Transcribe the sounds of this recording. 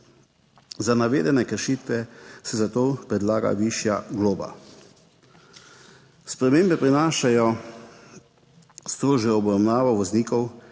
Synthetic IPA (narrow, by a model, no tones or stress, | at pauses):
zanaʋeːd̪ɛnɛkəɾʃiːt̪ʋɛsɛzat̪oːpɾɛd̪laːɡa̰ʋiːʃjaɡloːba̰ | spɾɛmeːmbɛpɾinaːʃajɔ | st̪ɾoːʒɛɔbɾamnaːʋɔʋɔzniːkɔw